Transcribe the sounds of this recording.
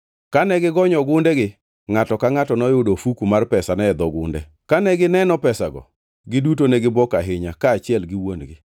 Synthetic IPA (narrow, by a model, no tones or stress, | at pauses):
kanɛɡɪɡɔɲɔɡʊndɛɡɪ | ŋatɔkaŋatɔnɔjʊdofukumarpɛsanɛɛd̪ɔɡʊ̰ndɛ̰ | kanɛɡɪnɛnɔpɛsaɡɔ̰ | ɡɪdut̬onɛɡɪbɔkaɦɪɲakaːt͡ʃɪɛlɡɪwonɡɪ